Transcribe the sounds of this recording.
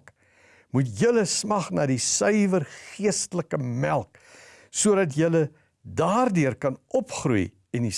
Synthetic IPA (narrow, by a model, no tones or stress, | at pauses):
k | mutjələsmɐχnɑːdisœɥvərχiəstələkəmælˠk | suəɾɐt̬jələ | dɑːrdøərkɐnʔɔpχrṵj | ɛndi